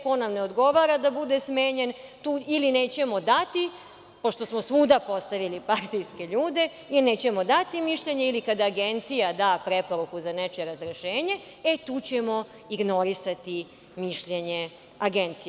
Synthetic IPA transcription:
konamne̞od̪ɡo̞ʋaːɾad̪abud̪esmeːɲe̞nt̪uːilineːt͡ɕe̞mo̞d̪at̪i | po̞ʃt̪o̞smosʋuːd̪apo̞st̪aʋilipaɾt̪ijske̞ʎuːd̪e̞ | ilneːt͡ɕe̞mo̞d̪at̪imiʃʎeɲe̞ilikad̪aːɡe̞nt̪sijad̪aːpɾe̞po̞ɾukuzanet͡ʃeɾazɾeʃeːɲe̞ | et̪uːt͡ɕemo̞ | iɡno̞ɾisat̪i | miʃʎe̞ɲe̞ | aɡent̪si

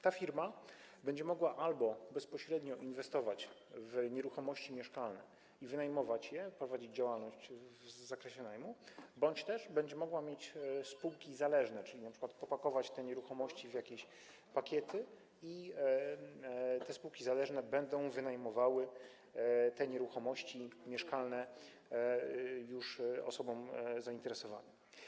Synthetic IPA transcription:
t̪afʲiɾma | bɛɲd͡ʑɛmɔɡwaʔalbɔbɛspɔɕɾɛd̪ɲɔʔinvɛst̪ɔvat͡ɕvɲɛɾuxɔmɔɕt͡ɕimʲjɛʂkalnɛ̰ | ivɘnajmɔvat͡ɕjɛpɾɔvad͡ʑid͡ʑd͡ʑawalnɔɕt͡ɕvzakɾɛɕɛnajmubɔɲt͡ɕt̪ɛʐbɛɲd͡ʑɛmɔɡwamʲjet͡ɕspuwkʲizalɛʐnɛt͡ʂɘlʲinapʂɘkwat̪pɔpakɔvat͡ɕt̪ɛɲɛɾuxɔmɔɕt͡ɕivjakʲeɕ | pakʲjɛt̪ɘ | i | t̪ɛspuwkʲizalɛʐnɛbɛnd̪ɔ̃w̃vɘnajmɔvawɘ | t̪ɛɲɛɾuxɔmɔɕt͡ɕimʲjɛʂkalnɛ | juʂɔ̰sɔbɔmzaint̪ɛɾɛsɔva̰nɛ

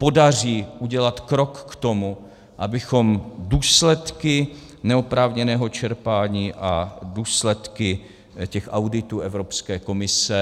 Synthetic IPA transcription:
po̞dariːʔuɟɛlat̪kɾo̞kːt̪o̞mu | ʔabɪxo̞mduːslɛt̪kɪ | nɛopɾaːvɲɛnɛːɦo̞t͡ʃɛɾpaːɲiːʔaduːslɛt̪kɪ | cɛxʔawdɪt̪uːʔɛvɾopskɛːko̞mɪsɛ

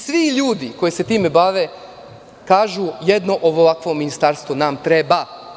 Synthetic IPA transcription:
sʋiʎuːd̪iko̞jeset̪iːmebaʋe | kaːʒujed̪noʔoʋoʋakʋo̞mːinist̪aːɾst̪ʋunaːmt̪ɾeba

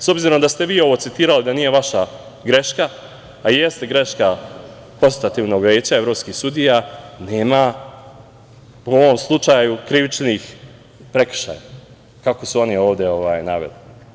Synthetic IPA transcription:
so̞bziɾo̞md̪ast̪e̞ʋiːo̞ʋo̞tsit̪iːɾalid̪aniːje̞ʋaʃa | ɡɾe̞ʃkaː | jest̪eɡɾe̞ʃka | ko̞nsit̪at̪iːʋnoɡʋe̞ːt͡ɕae̞vɾo̞ːpskisud̪ijane̞ːma | uoʋo̞mslˠut͡ʃajukɾiʋit͡ʃnix | pɾe̞kʃa̰ja̰ | kakosuo̞nio̞ːʋd̪eo̞ʋa̰ːjna̰ʋḛli

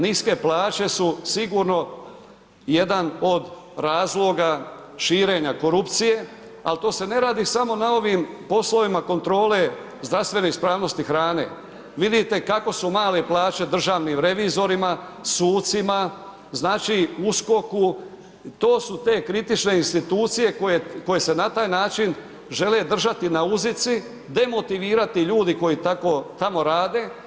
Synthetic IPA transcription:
niske̞plaːt͡ʃe̞susiɡuːɾno̞ | je̞d̪ano̞d̪ | ɾaːzlˠo̞ɡa | ʃiːɾe̞ːɲako̞ɾupt̪sije̞ | a̰lt̪o̞ːse̞ne̞ɾaːd̪isamo̞nao̞ʋimpo̞slo̞ʋimako̞nt̪ɾo̞ːle̞ | zd̪ɾast̪ʋe̞neispɾaːʋno̞st̪ixɾaːne̞̰ | ʋid̪it̪e̞kako̞sumaːle̞plˠaːt͡ɕe̞d̪r̩ʒaːʋniːmɾe̞ʋizo̞ɾimasuːt̪sima | znaːt͡ʃiusko̞ku | t̪o̞ːsut̪e̞ːkɾit̪it͡ʃne̞inst̪it̪uːt̪sije̞kojeko̞je̞se̞nat̪aːjnaːt͡ʃin | ʒe̞le̞d̪r̩ʒat̪inauzit̪si | d̪e̞mo̞t̪iʋiːɾat̪iʎuːd̪iko̞jit̪ako̞t̪amo̞ɾaːd̪e̞

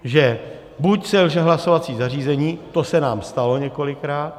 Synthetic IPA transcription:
ʒɛ | bucsɛlʒɛɦlaso̞vat͡siːzar̝iːzɛɲiːt̪o̞sɛnaːmst̪alo̞ɲɛko̞lɪkɾaːt̪

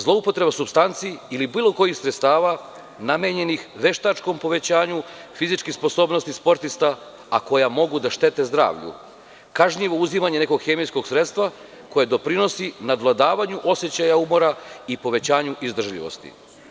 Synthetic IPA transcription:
zlˠo̞upo̞t̪ɾe̞basubst̪ant̪siilibiːlo̞ko̞jixsɾet̪st̪aːʋa | nameɲe̞nixʋe̞ʃt̪at͡ʃko̞mpo̞ʋe̞t͡ɕaːɲufizit͡ʃkixspo̞so̞ːbnost̪ispo̞ɾt̪ist̪a | ako̞jamo̞ɡud̪aʃt̪e̞t̪e̞zd̪ɾa̰ːʋʎṵ | kaʒɲiʋo̞uzimaɲe̞ne̞ko̞ɡxe̞mijsko̞ɡsɾe̞t̪st̪ʋa | ko̞jed̪o̞pɾino̞sinad̪lˠad̪aːʋaɲuʔo̞sje̞t͡ɕajaumo̞ɾaipo̞ʋe̞t͡ɕaːɲuʔizd̪r̩ʒʎḭʋo̞̰st̪ḭ

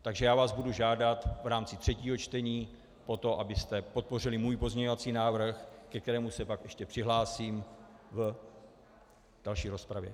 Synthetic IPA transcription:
t̪aɡʒɛjaːvaːzbuduʒaːdat̪vɾaːmt͡sɪt̪r̝̥ɛciːɦo̞t͡ʃt̪ɛɲiː | po̞t̪o̞ʔabɪst̪ɛpo̞t̪̚po̞rɪlɪmuːjpo̞zmɲɛɲo̞vat͡siːnaːvr̩xkɛkt̪ɛɾɛːmusɛpakʔɛʃcɛpr̥ɪɦlaːsiːmv | d̥alʃiːɾo̞spɾavjɛ̰

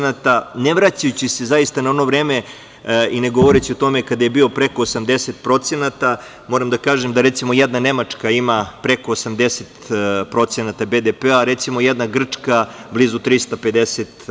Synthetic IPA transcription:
nat̪aneʋɾat͡ɕajut͡ɕise̞zaist̪anao̞no̞ʋɾeːme | ineɡo̞ʋo̞ɾet͡ɕiot̪o̞me̞kad̪aje̞biːopɾe̞koːsamd̪e̞set̪̚pɾo̞t̪senat̪a | mo̞ɾamd̪akaːʒemd̪aɾet̪simojɛd̪nane̞mat͡ʂkaimapɾe̞ko̞ːsamd̪eset̪pɾo̞t̪senat̪abed̪epeaɾet̪simo̞jed̪naɡr̩t͡ʂkablizut̪ɾist̪ape̞d̪eset̪

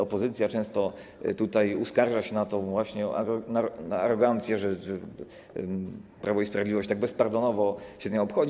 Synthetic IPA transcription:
ɔpɔzɘt̪sʲjat͡ʂɛ̃w̃st̪ɔ | t̪ut̪ajuskaɾʐaɕɛnat̪ɔ̃vwaɕɲɛa̰nanaaɾɔɡant̪sʲjɛʐɛɛ | pɾʔavɔispɾavʲed̪lʲivɔɕt͡ɕt̪aɡ̚bɛspaɾd̪ɔnɔvɔɕɛzɲɛɔpxɔd͡ʑ

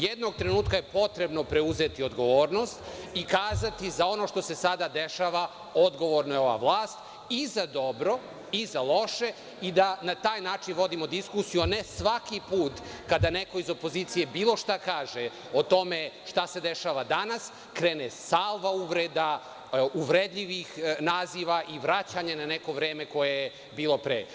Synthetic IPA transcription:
jed̪no̞ɡ̚t̪ɾenuːt̪kajepo̞t̪ɾe̞bno̞pɾe̞uzet̪io̞d̪ɡo̞ʋoːɾno̞st̪ikaːzat̪izao̞no̞ʃt̪o̞se̞sad̪ad̪eʃaʋa | o̞d̪ɡo̞ʋoɾnojeo̞ʋa̰ʋlˠaːst̪ | izad̪o̞bɾo̞ | izalo̞ʃe̞ | id̪anat̪aːjnaːt͡ʃinʋo̞d̪imo̞d̪iskusijuanesʋakipuːt̪kad̪aneko̞izo̞po̞ziːt̪sije̞biːlˠo̞ʃt̪akaːʒe | ot̪o̞meʃt̪ase̞d̪eʃaːʋad̪anas | kɾeːnesalˠʋauʋɾed̪a | uʋɾed̪ʎiʋixnaːziʋaʔiʋɾat͡ɕaɲananeko̞ʋɾeːmeko̞jeje | biːlˠo̞pɾḛː

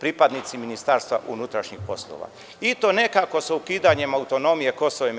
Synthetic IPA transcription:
pɾipad̪nit̪siminist̪aɾst̪ʋa̰ʔṵnut̪ɾaʃɲixpo̞slˠo̰ʋa̰ | it̪o̞ne̞kako̞saukiːd̪aɲe̞maut̪o̞no̞mije̞ko̞soʋem

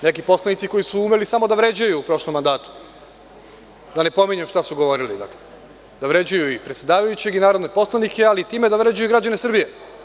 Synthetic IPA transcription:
ne̞kipo̞slanit̪siko̞jisuumelisamo̞d̪aʋɾe̞d͡ʑajuːpɾo̞ʃlomːand̪aːt̪u̥ | d̪ane̞po̞miɲemʃt̪asuɡo̞ʋo̞ɾilḭd̪a̰kle | d̪aʋɾe̞d͡ʑajuipɾet̪sʲe̞d̪aːʋajut͡ɕe̞ɡinaːɾo̞d̪nepo̞slˠanikʰe̞alit̪iːme̞d̪aʋɾed͡ʑajuiɡɾad͡ʑanesr̩bije

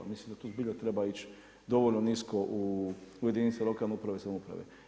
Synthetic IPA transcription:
mislimd̪at̪uzbiʎʲat̪ɾebait͡ʃ | d̪o̞ʋolnoniskoʔuuje̞d̪init̪silo̞kalneupɾaʋesamupɾa̰ʋḛ

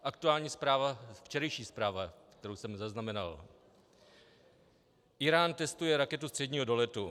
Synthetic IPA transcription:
ʔakt̪uaːlɲiːspɾaːvaft͡ʃɛɾɛjʃiːspɾaːvakt̪ɛɾowsɛmzaznamɛna̰l | ʔɪɾaːnt̪ɛst̪ujɛɾakɛt̪ust̪r̥ɛdɲiːɦodolɛt̪u

